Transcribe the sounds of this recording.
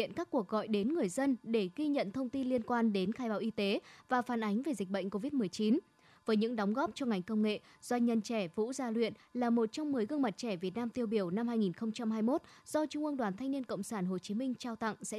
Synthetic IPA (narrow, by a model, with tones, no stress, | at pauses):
ḭ˧˨ənkaː˦˥kːu˨˩ək̚ɣɔ̰˧˨jɗe˨˦nŋɨ˨˩əjzə˧nɗe˧˩ɣi˧ɲə̰˧˨nt̪ʰə˧wŋ͡mt̪i˧nli˧ənkwaː˧nɗe˨˦nxaː˦jɓaː˨˦wʔi˧t̪e˨˦vaː˨˩faː˨˩nʔa˨˦ŋ̟ve˨˩zi˨˩k̟̚ɓə̰˧˨ŋ̟ko˧vi˦˥t̚mɨ˨˩əjt͡ɕi˨˦n | vəː˨˦jɲɨ̰˧˥ŋɗɔ˨˦wŋ͡mɣɔ˦˥p̚t͡ɕɔ˧ŋa˨˩jŋ̟kə˧wŋ͡mŋḛ˧˨ | z̥wa˧jŋ̟ɲə˧nt͡ɕɛ˧˩vṵ˧˥zaː˧lwḭ˧˨ənlaː˨˩mo˨˩t̚t͡ɕɔ˧wŋ͡mmɨ˨˩əjɣə˧əŋma˨˩t̚t͡ɕɛ˧˩vi˨˩ət̚naː˧mt̪i˧əwɓi˧˩əwna˧mhaː˧jŋi˨˩nxə˧wŋ͡mt͡ɕa˧mɦaː˧jmo˦˥t̚z̥ɔ˧t͡ɕʊ˧ŋ͡mʔɨ˧əŋɗwaː˨˩nt̪ʰa˧ŋ̟ni˧ənkə̰˧˨wŋ͡msaː˧˩nɦo˨˩t͡ɕi˨˦mï˧ŋ̟t͡ɕaː˧wt̪a̰˧˨ŋsɛ̰˧˥